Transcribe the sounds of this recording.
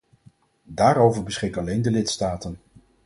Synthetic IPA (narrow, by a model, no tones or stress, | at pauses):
daːɾowvəɹbəsχɪkɑlejndəlɪtstaːtən